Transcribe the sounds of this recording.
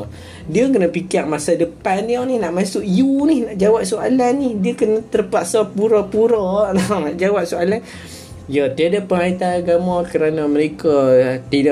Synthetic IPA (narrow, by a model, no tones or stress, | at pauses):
diəkənəpikiaʔ̚masadəpandiɔnihnaʔmasʊʔjunɪhnaʔd͡ʒawaʔ̚soalanːɪhdiəkənət̪ərpaʔsapuɾɔpuɾɔʔnɔŋnaʔd͡ʒawap̚sualan | jat̪iadapəŋait̪anaɡamakəɾanaməɾekat̪ida